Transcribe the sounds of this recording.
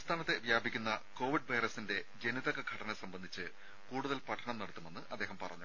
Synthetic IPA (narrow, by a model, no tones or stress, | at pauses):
st̪ʰaːnɐt̪ːe̞ʋjaːbʱikʲːunːɐko̞ːʋiɖʋɐjɾɐsinde̞d͡ʑe̞niðɐɣɐɡʱɐʈɐnɐsɐmbɐnd̪ʱit͡ɕːɨ | kuːɽuðɐlpɐʈʰɐɳɐmnɐɽut̪ːume̞nːɨʔɐd̪ːe̞ːɦɐmpɐrɐ̰ɲːu